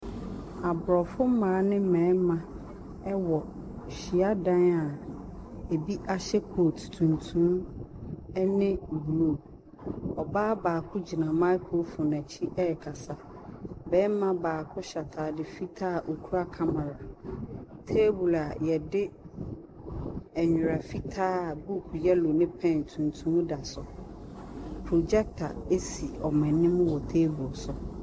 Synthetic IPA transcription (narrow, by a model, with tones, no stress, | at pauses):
a˨bɾɔ˨fʊ˦m̩˦mã˨˦nɪ̃˦m̩˦mɛ̃˨˦mã˦ | ɛ˦wɔ˨ | ɕi˨a˦dã˦na˨ | e˨bi˦ʔa˦ɕɛ˦kʰo˨tʰu̥˨tʰũ˨ntʰũ˦m | ɛ˦nɪ̃˦˨bu˨lo˨ | ɔ˨baː˦baː˨kʰʊ˦d͡ʑi˨nã˨mã˦kʰo˦lfʊ˨nã˨t͡ɕʰi˦ʔɛ˦˨kʰa˨sa˦ | bɛ˦m˦mã˦baː˨kʰʊ˦ɕa˨tʰaː˨dɪ˨fi˦tʰaː˦˨ʔo˨kʰu˦a˦kʰa˦ma˨ɾa˨ | tʰeː˦bu˨la˨jɛ˨dɪ˦ | ɛ˨ɲᶣʊ˨ɾa˨fi˦tʰaː˦˨bu˦kʰu˨jɛ˦lo˨nɪ̃˦pʰɛ̃˦˨n˨tʰũ˨n˨tʰũ˦mʊ̃˦da˨sʊ˨ | pʰɾo˨d͡ʑɛ˦k̚tʰa˨e˦si˨ɔ˨mɛ̃˨nɪ̃˦mʊ̃˦wɔ˨tʰeː˦bu˨lsʊ˨